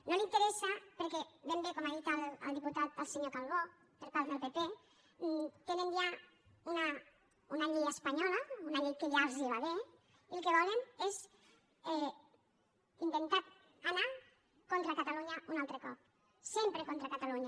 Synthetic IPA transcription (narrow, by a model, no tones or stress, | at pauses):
nolint̪eɾɛsapeɾkɛβɛmbekɔmaðit̪alə̰lˠd̪iput̪at̪̚əlˠseɲokalˠβo | pəɾpaɾðelˠpepe | t̪enenja | una | unaʎiɣaspaɲɔlaunaʎit̪̚keʎaɾziβaβe | ilˠkeβɔlenez | ɛ | int̪ent̪at̪ | ana | kont̪ɾakat̪aluɲaunalˠt̪ɾekɔp̚ | sempɾekont̪ɾakat̪aluɲa